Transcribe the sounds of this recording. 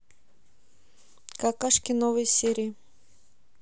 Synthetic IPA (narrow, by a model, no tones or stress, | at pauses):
kakaʂkʲɪnovɨjsʲeɾʲɪː